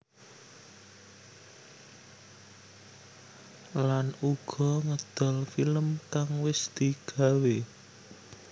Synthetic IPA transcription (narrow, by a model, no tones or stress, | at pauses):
lanuɡ̥ɔ̤ŋəd̪̥ɔ̤lfiləmkaŋwɪsd̪̥iɡ̥a̤we